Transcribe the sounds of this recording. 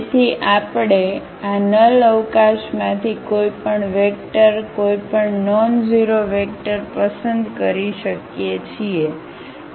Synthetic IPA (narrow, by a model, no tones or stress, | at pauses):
t̪ʰiʔapɳe | anələʋkaʃmãt̪ʰikoipəɳʋek̚ʈəɾkoipəɳnɔnd͡ʒiɾoʋek̚ʈəɾpəsənd̪kəɾiʃəkjet͡ʃʰie